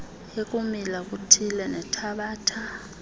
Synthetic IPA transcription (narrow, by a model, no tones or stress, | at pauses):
jek̬ʼumilak̬ʼutʰilɛnɛtʰaɓaːtʰa